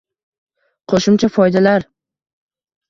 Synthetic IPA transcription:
qʰoʃɪmt͡ʃʰafɒjd̪alaɾ

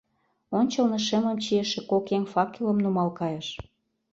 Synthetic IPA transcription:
onʲt͡ɕɤ̆lnɤ̆ʃeməmt͡ɕieʃĕkokeŋfɑkilə̆mnumɑlkɑjəʃ

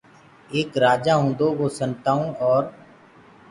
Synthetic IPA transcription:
eːkɾaːd͡ʒaɦõːd̪oʋoːsə̃nt̪aːõɔːɾ

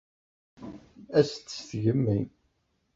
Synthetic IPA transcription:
æst̪ːsθʝəmːin

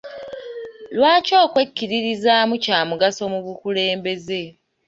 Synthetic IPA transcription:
lwaːco̞ːkwe̞kːiɾiɾizaːmucaːmuɡaso̞muβukule̞ːmbe̞ze̞

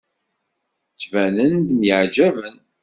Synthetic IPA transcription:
t͡sːvænənd̪mjəʕd͡ʒævən

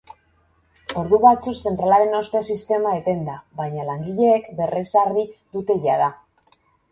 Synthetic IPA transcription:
o̞ɾðuβat͡sukse̞nt̪ɾalaɾe̞no̞st̪esist̪e̞maet̪e̞nd̪aβajɲalaŋɡiʎe̞ːkbe̞resaɾðiðut̪e̞ʝaða

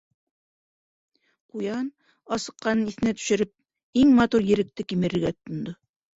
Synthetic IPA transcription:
qujɑn | ɑsɤ̆qːɑnɤniθɘ̆næt̪ɵ̥̆ʃɘ̆ɾɘp̚ | iŋmɑt̪uɾjɘ̆ɾɘ̆k̚t̪ɘkimɘ̆ɾɘ̆ɾɡætt̪ːŏnd̪o

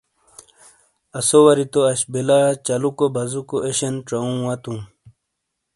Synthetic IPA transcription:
ɐsowɐɾit̪oɐɕbelat͡ɕɐlukobʱɐzukoʔeɕenʈ͡ʂɐũːwɐt̪ũ

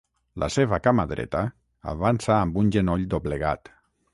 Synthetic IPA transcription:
lʔa̰seβakamaðɾɛ̰t̪a | a̰βansaːmbunʲʒenoʎd̪oβleɣat̪

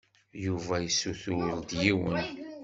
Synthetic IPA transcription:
juvæjəsːuθʊld̪jiwə̰n

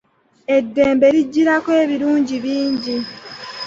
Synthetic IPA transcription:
e̞dːeːmbe̞ɾiɟːiɾakwe̞ːβiɾuːɲɟiβiːɲɟi

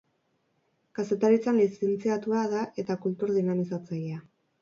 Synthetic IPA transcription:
kase̞t̪aɾit͡sanlisent͡siat̪uað̞aʔe̞t̪akult̪uɾðinamisat͡saja

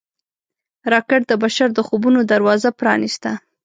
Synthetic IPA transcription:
ɾɑkɪʈ̚d̪əbaʃaɾd̪əxobunod̪aɾwɑzapɾɑ̰nist̪a

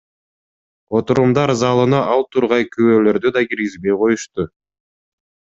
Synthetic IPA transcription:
ot̪uɾumd̪ɑɾzɑlˠɯnɑʔɑlˠt̪ʰuɾʁɑjkyβøːlø̞ɾd̪yd̪ɑɡiɾɡizbe̞jqʰo̞juʃt̪u

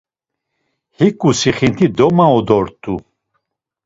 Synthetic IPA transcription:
hikʼusiχint̪ʰid̪ɔmaɔd̪ɔɾt̪ʰʼu

